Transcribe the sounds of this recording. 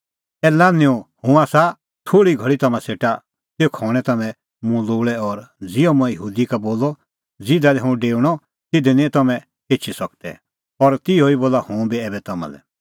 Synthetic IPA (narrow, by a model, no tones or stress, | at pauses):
ɛːlãnɪũhʊ̃asa | t̪ʰoːɽiɡʱɐɭit̪ɐmãseːʈa | seokʰɔːɽ̃ɛ̃t̪ɐmɛ̃ | mũloːɭɛɔɾd͡zɪɔ̃mũɛ̃jəɦuːd̪ikaboːlɔ | d͡zɪd̪alɛɦũɖeːɽ̃ɔ | t̪ɪd̪ɛnĩt̪ɐmɛ̃ | eːt͡ʃʰisɐk̚t̪ɛ̰ | ɔɾt̪ɪoiboːlahũbiɛːbɛt̪ɐmã̰lɛ̰